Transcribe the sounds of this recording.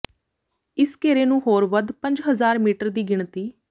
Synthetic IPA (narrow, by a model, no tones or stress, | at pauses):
ɪskeːɾeːnũːɦoːɾʋəd̪pə̃ɲd͡ʒɦəzaːɾmiːʈəɾd̪iːɡɪɳt̪iː